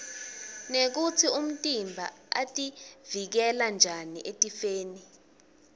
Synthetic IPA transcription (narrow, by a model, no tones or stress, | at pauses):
nek̬ut͡sʰium̩tʼimbʱa̰a̰tʼivik̬ɛland͡ʒʱaniʔetʼifeːni